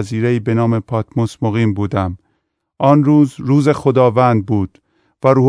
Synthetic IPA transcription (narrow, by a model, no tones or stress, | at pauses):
ziːɾeiːbe̞nɒːme̞pʰɒːt̪ʰmosmoɣiːmbuːd̪æm | ʔɒːnruːzɾuːze̞xod̪ɒːvænd̪̚buːd̪̥ | væɾuː